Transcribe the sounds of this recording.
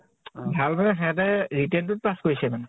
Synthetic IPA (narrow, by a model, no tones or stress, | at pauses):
bʱalmanɛɦɛɛt̬ajɹitɛntʊt̚paskojsɛmanɛ